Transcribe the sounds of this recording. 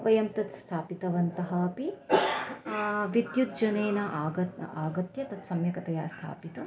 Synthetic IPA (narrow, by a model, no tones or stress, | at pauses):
ʋɐjɐmt̪ɐt̪st̪ʰaːpit̪ɐʋɐnt̪ɐɦɐɐpi | ʋid̪jud̪̚d͡ʒɐneːnɐʔaːɡɐaːɡɐt̪jɐt̪ɐt̪sɐmjɐkɐt̪ɐjaːst̪ʰa̰ːpit̪ɐ